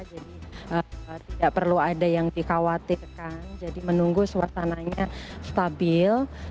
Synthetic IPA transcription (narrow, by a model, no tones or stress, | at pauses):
d͡ʒadiʔət̪idaʔpərluadajaŋdikawat̪irkand͡ʒadimənuŋɡusəwasanaɲast̪abɪl